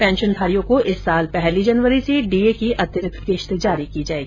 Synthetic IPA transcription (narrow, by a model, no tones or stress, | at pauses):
pɛ̃ːnʃənd̪ʱaːɾijõkoʔɪsːaːlpɛɦlid͡ʒɐnʋəɾiseɖiːekiʔɐd̪jəɾɪk̪ʰkeːʃt̪d͡ʒaːɾikid͡ʒaːeːɡi